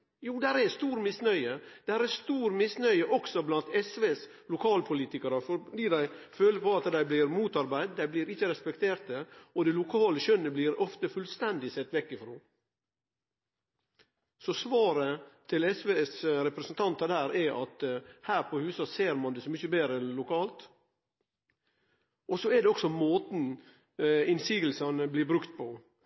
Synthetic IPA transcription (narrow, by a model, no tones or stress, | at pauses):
juːd̪æɾɛst̪uːɾmɪsnœʏəd̪̥æːɾɛst̪uːɾmɪsnœʏəʔɔksɔblɑnt̪ɛsʋeːs | lʊkʰɑːlpʰʊliːt̪ɪkɑɾəfɔɖ̪iːd̪æɪføːləpʰɔɑt̪d̪æɪblɪɾmuːt̪ɑɾbæɪd̪d̪æɪbliːɾɪçːəɾɛspɛkt̪ʰeːɾt̪̚əɔd̪ɛlʊkʰɑːləʃœnːəbliːɾɔft̪əfʉlst̪ɛnd̪ɪsɛt̪ːʋɛkːɪfɾoː | sɔsʋɑːɾət̪ʰɪlɛsʋeːɛsɾɛpɾɛsənt̪ʰɑnt̪ɑd̪æːɾɛʔɑt̪hæːɾpʰɔhʉːsɑseːɾmɑnd̪ɛsɔmʏçəbeːɾəɛnlʊkʰɑːlt̪ | ʔɔsɔɛɖ̪ɛɔksɔmoːt̪n̩ | ɪnsiːɡəlsɑnəbliːbɾʉkt̪̚pʰɔ